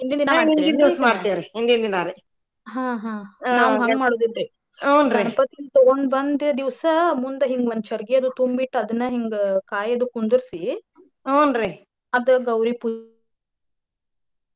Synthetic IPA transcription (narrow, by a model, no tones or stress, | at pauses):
ind̪ind̪inainid̪iʋsɐmaːɽt̪ijaɾeind̪ind̪inaːɾe | ɦãːɦãːnaːʋuɦɐŋɡmaːɽoːd̪id̪ːe | awnɾipɐt̪ːint̪uond̪bɐnd̪d̪iʋsɐmund̪ɐɦiŋɡʋɐnt͡ʃɐɾɡijɐd̪ut̪umbiʈːɐd̪ɐnːɐɦiŋɡekaːjɐd̪ukːund̪uɾsi | ɐnɾi | ɐd̪ɨɡɐwɾipu